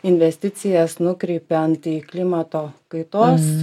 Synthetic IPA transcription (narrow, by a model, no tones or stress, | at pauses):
ɪnʲʋʲɛsʲt̪ʲɪt̪sʲɪjɛsnʊkɾʲɛɪpʲɛɐnt̪iklʲɪmɐt̪oːkɐɪt̪oːs